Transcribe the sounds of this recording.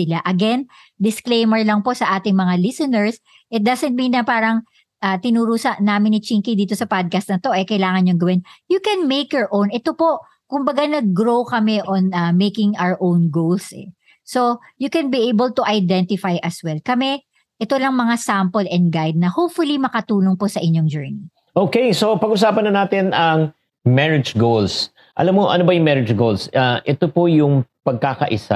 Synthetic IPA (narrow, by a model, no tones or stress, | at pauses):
sɪlaʔɐɡɛn | d̪ɪsklejmɛɹlɐŋpo̞ʔsɐʔaːt̪ɪŋmɐŋalɪsɛnɛɹs | ʔɪt̪̚d̪asɛnt̪̚minɐpaːɾɐŋ | ʔɐt̪ɪnuɾuːsɐʔnaːmɪnːɪt͡ʃiŋkid̪iːt̪o̞sɐpad̪̚kɐst̪nɐt̪o̞ʔɛkɐjlaːŋɐnɲoŋɡɐwɪnjukɛnmejkjɔɹʔõnʔɛt̪opo̞ | kʊmbɐɡanɐɡ̚ːɹowkɐmɛʔonɐmejkɪŋawəɹʔõwnɡowlsʔɛ̰ | sojukɛnbiʔejbəlt̪uʔɐjd̪ɛ̃nt̪ɪfajʔɐswɛlkɐmɛ | ʔɛt̪olɐŋmɐŋasampolɛ̃nd̪̚ɡajd̪̚nɐhowpfʊlimɐkɐt̪uːnoŋpo̞sɐʔɪɲoŋd͡ʒɛːɹni | ʔoːkejsopɐɡʔʊs̬aːpɐnːɐnaːt̪ɪnɐŋ | mɛɹɪd͡ʒɡols | ʔɐ̰lamːoʔɐ̰nobɐjʊŋmɛɹɪd͡ʒɡolsaʔɛt̪opojʊŋpɐɡ̚kakɐ̰ʔɪsa̰